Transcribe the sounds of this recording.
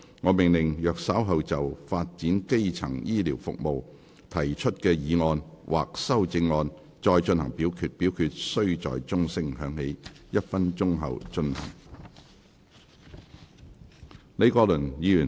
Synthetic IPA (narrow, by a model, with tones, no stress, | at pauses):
ŋɔː˨˧mɪ˨˩ŋlɪ˨˩ŋjœː˨k̚sɐ˨˥wɦɐ˨wt͡sɐ˨wfaː˧t̚t͡siː˨˥nke˥jt͡sʰɐ˨˩ŋjiː˥liː˨˩wfʊ̰˨k̚mo˨w | t̪ʰɐ˨˩jt͡ʃʰɵ˥t̚kɛː˧jiː˨˧ŋɔː˧nwʔa̰ː˨k̚sɐ˥wt͡sɪ˧ŋːɔː˧n | t͡ʃɔː˧jt͡ʃɵ˧nhɐ˨˩ŋpiː˨˥wkʰyː˧t̚pi˨˥wkʰyː˧t̚sɵ˥ɥt͡sɔ̰ː˨jt͡sʊ˥ŋsɪ˥ŋɦœː˨˧˥ŋhe˨˥jjɐ˥t̚fɐ˥nt͡ʃʊ˥ŋɦɐ̰˨wt͡ʃɵ˧nhɐ̰˨˩ŋ | ne˨˧jkɔː˧lɵ˨˩njiː˨˧jyː˨˩